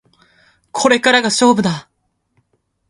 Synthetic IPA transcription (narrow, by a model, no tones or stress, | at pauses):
kʰoɾek͈aɾaɡas͈obɯd̪a